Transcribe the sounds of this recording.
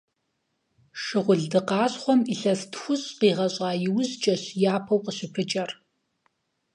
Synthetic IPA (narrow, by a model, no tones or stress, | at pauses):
ʂɨʁʷʊɮdɨqɑːɕχʷɔmiɬɐstxʷʊɕʼqiːʁɐɕʼɑːjɪwzt͡ʃʼɐɕjaːpʰɐwqəɕɪpʰɨt͡ʃʼɐr